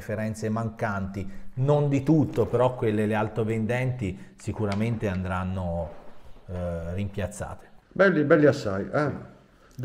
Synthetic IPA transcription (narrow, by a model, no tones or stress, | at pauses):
feɾɛnt̪semaŋkant̪inond̪it̪ut̪ːopeɾɔkːwelːelealt̪ɾovend̪ɛnt̪isikuɾament̪eand̪ɾanːo | rimpjat̪sːa̰ːt̪e̥bɛlːibɛlːiasːajɛ